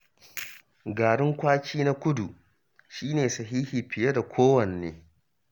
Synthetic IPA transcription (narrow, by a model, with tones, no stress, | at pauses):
ɡaː˨ɽɪ˦ŋkʷaː˦kʲiː˦na˦kʷʊ˦du˨ | ʃiː˦neː˨sɐ˨ɦiː˦hi˨ɸɪ˨je˦da˨kʷʰoː˦wɐ˨nːḛː˨˦